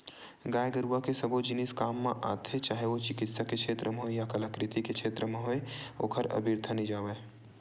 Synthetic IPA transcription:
ɡaːjɡəɾuʋakesɐbod͡ʒɪnɪskaːmːẽʔa̰ːt̪ʰet͡ʃaːɦeʋot͡ʃɪkɪt̪sakekʃʰeːt̪ɾəmeɦoejakɐləkɾɪt̪ikekʃʰeːt̪ɾəmẽɦoeo̰ːkʰəɾɐ̰bʱɪɾt̪ʰənĩd͡ʒaːʋeː

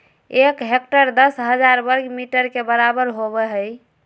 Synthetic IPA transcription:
ekɦek̚ʈəɾd̪əsɦəd͡ʒaɾbəɾɡmiʈəɾkebəɾabəɾɦobɛɦəj

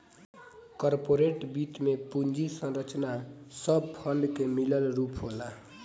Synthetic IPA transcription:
kʌrpoɾeʈbitmepund͡zisʌnrʌt͡snasʌb̚pʰʌnɖkemilʌlrupʰɦola

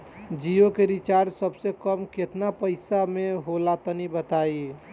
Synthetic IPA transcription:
d͡ʒiokeɾit͡ʃaɾsəbsekəmket̪napəɪsameɦolat̪ənibət̪ai

